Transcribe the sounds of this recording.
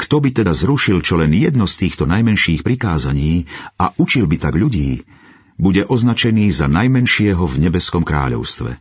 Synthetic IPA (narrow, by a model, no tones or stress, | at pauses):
kt̪ɔbit̪ɛd̪azɾuʃilt͡ʃɔlɛnjɛd̪nɔst̪iːxt̪ɔnajmɛnʃiːxpɾikaːzaɲiːaʔut͡ʃilbit̪aɡʎuɟiː | buɟɛʔɔznat͡ʃɛniːzanajmɛnʃɪɛɦɔvɲɛbɛskɔmkɾa̰ːʎɔ̰ʊst̪ʋɛ̰